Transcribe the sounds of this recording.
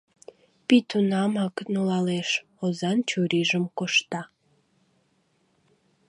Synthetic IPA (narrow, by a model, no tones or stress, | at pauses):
pit̪unɑmɑknulɑleʃ | ozɑnt͡ɕuɾiʒəmkoʃt̪ɑ